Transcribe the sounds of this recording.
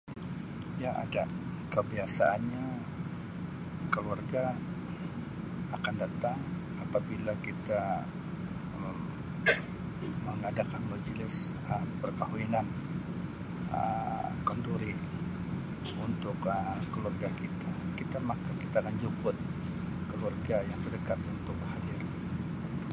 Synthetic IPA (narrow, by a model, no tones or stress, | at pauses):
jaʔa̰dakəbiasaʔanɲa | kəluarɡa | kandat̪aŋ | apabilakit̪a | əŋadakanmad͡ʒlɪs | əpərkaɦuinan | ə̰kənduɾi | unt̪ʊkəkəluarɡakit̪akit̪amakakit̪akand͡ʒupʊt̪̚ | kəluarɡajaŋt̪ərdəkat̪unt̪ʊk̚bəhadir